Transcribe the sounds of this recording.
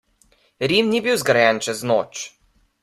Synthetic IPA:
ɾiːmnibiwzɡɾajɛnt͡ʃɛznoːt͡ʃ

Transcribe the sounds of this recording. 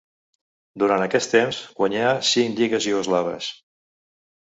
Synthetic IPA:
d̪uɾant̪əkɛst̪emsɡwəɲasiŋkʎiɣəziozlaβə̰s

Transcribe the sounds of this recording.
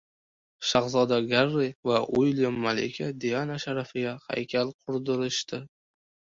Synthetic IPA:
ʃaχzɒd̪aɡaɾːɪvaʔʊjljamːalɪ̰kʲʰad̪ijanaʃaɾafɪɡʲaha̰jkʲʰalqʰʊɾd̪ɪɾɪʃt̪ɪ

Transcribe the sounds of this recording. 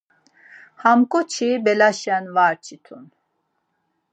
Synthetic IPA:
hamkʼɔt͡ʃʰibɛlaʃɛnvaɾt͡ʃʰit̪ʰun

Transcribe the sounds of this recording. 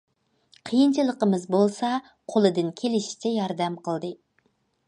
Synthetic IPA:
qʰəjɨnt͡ʃʰɨlˠəqəmɨzbolˠsɑ | qʰolˠɨd̪ɨnkʲʰelɪʃi̥t͡ʃʰɛjɑɾd̪ɛmqʰəlˠd̪ɨ

